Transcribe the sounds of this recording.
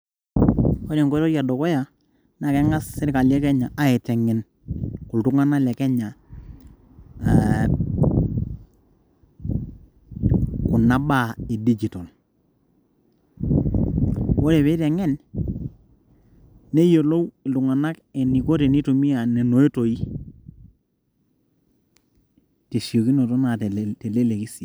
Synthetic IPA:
o˦ne˨ŋko˦ɾɔ˦ɾja˨do˨kɔ˦ja˨ | na˨kɛ˦ŋa˦sːɪ˦ɾka˨ljɛ˦kɛ˦ɲa˨ʔa˦ɛ˨tɛ˨ŋɛ˨n | kʊ˨ltu˦ŋa˦na˦lɛ˨kɛ˦ɲa˨ | kʊ˨na˦ba˦˨e˨di˦d͡ʒi˨to˨l | wo˦ɾe˨βe˦tɛ˨ŋɛ˦n | ne˦jo˨lo˦wlu˨ŋa˨na˦kɛ˨ni˨ko˦te˨ni˦tu˨mi˦ja˨ne˨no˨e˦to˨i˦ | te˨si˨o˨ki˦no˨tɔ˦na˨tte˨le˦le˨ki˦si˨

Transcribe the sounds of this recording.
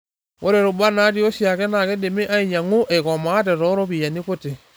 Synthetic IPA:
o˦ɾɛ˨ɾo˨ba˦na˦ti˦o˦ʃi˦a˨kɛ˦na˨kɛ˦de˨me˦ʔa˦i˨ɲa˨ŋu˦ʔe˨kɔ˨maː˨˦t̬ɛ˨ɾɔ˦ɾo˦βi˨a˨ni˦ko˦te˨

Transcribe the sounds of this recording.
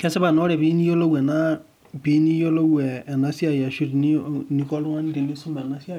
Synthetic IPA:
kɛ˦sɛ˦ba˨nɔ˦ɾɛ˨bi˦ni˦jo˦lo˦wɛ˨na˦ | bi˦ni˦jo˦lo˦wɛ˨ɛ˨na˦si˦a˨jɛ˨ʃu˦ɾi˨ni˦ni˧kɔ˦lu˦ã˦ni˦di˨li˦su˦mba˨na˨˦si˦a˦˨

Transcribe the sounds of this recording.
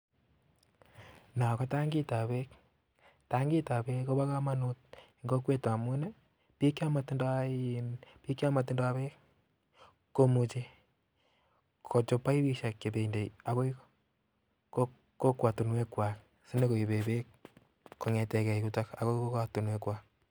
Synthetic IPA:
na˨kɔ˦ta˦ŋɡi˦ta˨βe˦k | ta˦ŋɡi˦ta˨βe˦ko˦βa˦ka˦ma˦nut̚ŋɡo˦kwe˦ta˨mu˦ne˦ | pi˦kja˦ma˨tnda˦inpi˦kja˦ma˨t̬nda˦βe˦kː | kːo˦mu˨t͡ʃe˦ | kʰo˨t͡ʃɔ˦pa˦i˦βi˦ʃa˨kːe˨be˨inde˨ja˨ko˦ik | ko | ko˦kwa˨tu˨nwe˦kwa˨k | si˦ne˦ko˨i˨βe˨be˦kː | o˨ŋɛ˨tɛ˨kɛ˨iku˦ta˦ka̰˨ko˦iko˦kwa˨tu˨nwe˦kwa˦k̚

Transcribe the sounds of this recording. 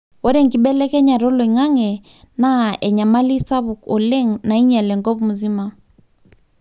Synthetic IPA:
ɔ˦ɾɛ˦˨ŋki˨ɓɛ˦lɛ˦kɛ˦ɲa˨ɾɔ˦lɔ˨i˨ŋa˦ŋɛ˨ | na˦ɛ˨ɲa˨ma˦li˦sa˦βu˨kɔ˨lɛ˦ŋna˨i˦ɲɛ˨lɛ˨ŋɡɔ˦βmu˨zi˦ma˨

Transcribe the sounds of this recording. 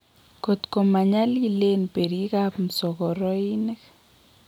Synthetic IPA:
ko˨t̪ko˨ma˨ɲa˦li˦le˦npe˨ɾi˦kapm̩˨sɔ˨kɔ˨ɾɔ˦i˦nɛ˦k

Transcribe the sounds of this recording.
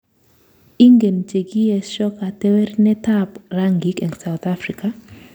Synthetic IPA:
i˦ŋɡe˨nt͡ʃe˨ɡi˦ɛ˦ʃɔ˦ka˨te˦wɛ˦rnɛ˦ta˦pra˦ŋɡi˨kɛ˨ŋsa˨wt̪a˦fri˨ka˦

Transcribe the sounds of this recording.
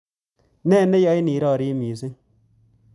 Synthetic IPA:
nɛː˦˨ne˦jɔ˦jni˨˦ɾɔː˦˨ɾi˦mi˨se˦

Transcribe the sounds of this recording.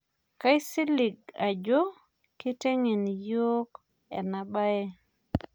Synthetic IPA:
ka˦jsi˦li˨ɡ̚a˨d͡ʒo˦ | ki˦te˦ŋi˨njo˦k | ḛ˨na˨ɓa˦je˦

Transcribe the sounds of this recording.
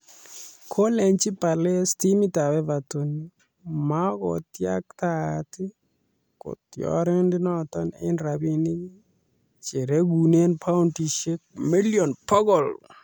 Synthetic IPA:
kʰo˦le˨ɲt͡ʃi˦pa˨lɛ˦sti˦mi˦ta˨bɛ˦va˨to˨ni˦ | ma˦ɡɔ̰˨tja̰˦k̚t̪a˦tɪ˦ | kɔ̰˨t̪jɔ̰ɾɛ˦ndɪ˦nɔ˦˨t̪ɔ˦nḛ˦nɾa˨bi˨ni˦ɡi˦ | t͡ʃe˨ɾe˦ɡu˨ne˦npʰa˦ʊnti˨ʃe˦k̚mi˦ljɔ˨npɔ˦ɡɔ˨l

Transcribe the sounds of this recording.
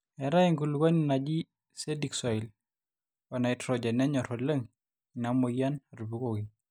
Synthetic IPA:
ɛ˨ɾa˦iŋɡu˨lu˨ɡa˦ni˨na˨d͡ʒi˦ | se˦di˨ksɔ˨i˨l | wa˨na˨ɪ˦tɾɔ˨d͡ʒɛ˨nɛ˦ɲɔ˨ɾo˨le˦ŋ | na˨mo˨ja˦na˨ɾu˨bu˨ko˦ɡi

